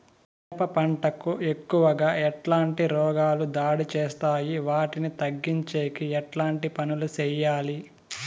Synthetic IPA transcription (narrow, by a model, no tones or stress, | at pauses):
t̪ɛpɐpɐɳʈɐkuʔe̞kːuʋɐɡaːɛʈlaːɳʈiɾɔːɡaːlud̪aːɽit͡ʃɛːst̪aːjiʋaːʈinit̪ɐɡːiɲt͡ʃeːkiɛʈlaːɳʈipɐnulut͡ʃɛːjaːli